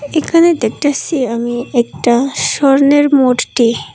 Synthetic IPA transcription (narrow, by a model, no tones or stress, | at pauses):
ekʰaned̪ek̚ʈasʰiamiɛk̚ʈaʃɔɾneɾmoʈʈi